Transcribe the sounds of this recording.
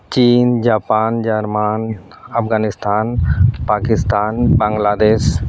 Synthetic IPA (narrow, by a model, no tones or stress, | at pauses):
t͡ʃiːnd͡ʒaːpaːnd͡ʒaɾmaːn | ɐpʰɡaːnɪst̪ʰaːnpaːkɪst̪aːnbãŋɡlaːd̪eːs